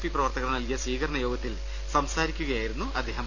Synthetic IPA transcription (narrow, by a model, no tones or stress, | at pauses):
fiprɐʋɐrt̪ɐɣɐɾnɐlkijɐsʋiːkɐɾɐɳɐjo̞ːɡɐt̪ːil | sɐmsaːɾikʲːuɣɐjaːjiɾunːuʔɐd̪ːe̞ːɦɐm